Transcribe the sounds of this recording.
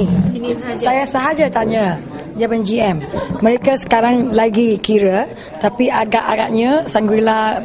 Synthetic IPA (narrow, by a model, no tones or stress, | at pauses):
i | sajasəɦad͡ʒat̪aɲə̃ | d͡ʒamənd͡ʒiɛmːə̃ɾekasə̥kaɾaŋlaɡikiɾə | t̪apiʔaɡaʔaɡaʔɲə̃saŋɡwilah